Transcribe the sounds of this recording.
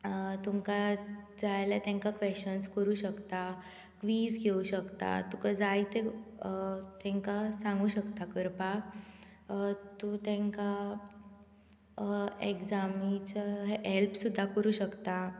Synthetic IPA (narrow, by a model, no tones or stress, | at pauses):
t̪umkad͡zajlat̪ɛ̃ŋkakʋeɕt͡ɕənskəɾuːɕəkt̪a | kʋiːsɡʱeuɕəkt̪a̰t̪ukad͡zajt̪e | t̪ɛ̃ŋkasãŋɡuːɕəkt̪akəɾpak | t̪ũt̪ẽŋka | eɡd͡zamit͡sɦelpsud̪ʱːakəɾuːɕəkt̪a